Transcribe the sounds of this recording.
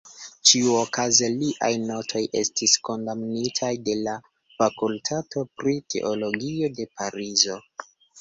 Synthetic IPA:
t͡ʃiuokazeliʔa̰jno̞tʰo̞jʔe̞̰stisko̞ndamnitʰajde̞la | fakultʰato̞pɾitʰe̞̰ʔo̞lo̞ɡio̞de̞paɾizo̞

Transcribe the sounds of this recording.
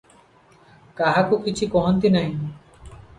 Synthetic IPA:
kaɦakukit͡ʃʰikɔɦɔnt̪inaɦĩ

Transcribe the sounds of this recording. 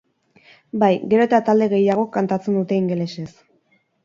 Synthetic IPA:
bajɡe̞ɾo̞et̪at̪ald̪e̞ɣe̞jaɣ̞o̞kant̪at͡se̞nd̪ut̪e̞iŋɡe̞leses

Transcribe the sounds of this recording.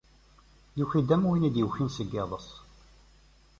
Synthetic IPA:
juçid̪ːæmwinid̪jəwçinsəɡːɪðˤəsˤ

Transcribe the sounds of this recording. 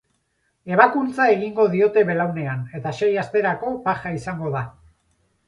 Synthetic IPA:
e̞βakunt͡sae̞ɣiŋɡo̞ðio̞t̪e̞βe̞lawne̞ane̞t̪aʃe̞jast̪e̞ɾako̞paxaisaŋɡo̞ða

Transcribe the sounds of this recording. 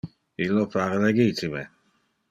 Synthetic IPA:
ilːopaɾeleɡit̪ime

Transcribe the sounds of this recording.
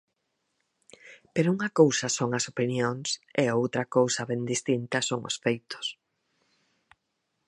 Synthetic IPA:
peɾouŋɐkowsɐsoŋɐsopinjoŋseowt̪ɾɐkowsɐβẽnd̪ist̪int̪ɐsoŋʊ̰sfejt̪ʊ̥s

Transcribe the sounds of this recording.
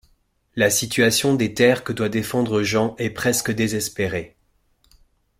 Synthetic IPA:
lasit̪ɥasjɔ̃d̪et̪ɛʁkəd̪wad̪efɑ̃d̪ʁəʒɑ̃ʔɛpχɛskəd̪ezɛspeʁe

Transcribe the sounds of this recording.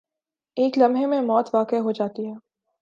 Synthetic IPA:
eːklɐmɦemẽmɔːt̪ʋaːkeɦod͡ʒaːt̪iɦɛː

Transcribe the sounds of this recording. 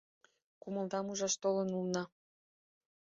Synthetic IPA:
kumə̆ld̪ɑmuʒɑʃt̪olənulnɑ

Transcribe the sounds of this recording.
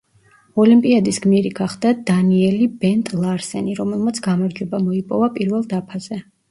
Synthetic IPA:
ɔlimpʼiad̪isɡmiɾiɡaχd̪ad̪aniɛlibɛnt̪ʼlˠaɾsɛ̰niɾɔmɛlˠmat̪sʰɡ̥amaɾd͡ʒwɛbamɔipʼɔvapʼiɾvɛlˠd̪apʰaz̥ɛ

